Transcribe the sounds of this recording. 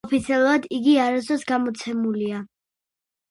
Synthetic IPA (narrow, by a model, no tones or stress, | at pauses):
ɔpʰit̪sʰiɛlˠuɾad̪iɡiaɾasɔsɡamɔt̪sʰɛmulia